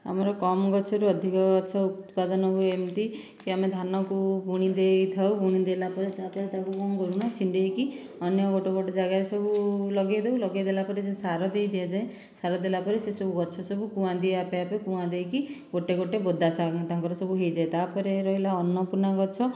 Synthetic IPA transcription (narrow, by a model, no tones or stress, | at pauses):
a̰mɔɾɔkɔmɔɡɔt͡ʃʰɔɾuɔd̪ʱikɔɡɔt͡ʃʰɔut̪pad̪ɔnɔɦuemt̪i | kiamed̪ʱanɔkubʱuɽ̃id̪ejt̪ʰawbʱuɽ̃id̪elapɔɾet̪apɔɾet̪akukɔŋɡɔɾuñɔt͡ʃʰiɳɖejki | ɔnjɔɡoʈɔɡoʈɔd͡ʒaɡaɾesɔbʱulɔɡejd̪ewlɔɡejd̪elapɔɾesesaɾɔd̪ejd̪iad͡ʒae | saɾɔd̪elapɔɾesesɔbʱuɡɔt͡ʃʰɔsɔbʱukũãd̪ieapeapekũãd̪ejkiɡoʈeɡoʈebod̪asaŋt̪aŋkɔɾɔsɔbʱuɦejd͡ʒaet̪apɔɾeɾɔɦilaɔnːɔpunaɡɔt͡ʃʰɔ